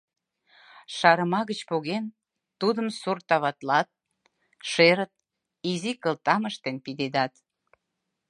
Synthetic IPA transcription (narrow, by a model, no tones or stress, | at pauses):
ʃɑɾəmɑɣət͡ɕpoɣen | t̪ud̪əmsurt̪ɑβɑt̪lɑt̪̚ | ʃeɾət̪̚ | izikəlt̪ɑməʃt̪enpid̪ed̪ɑt̪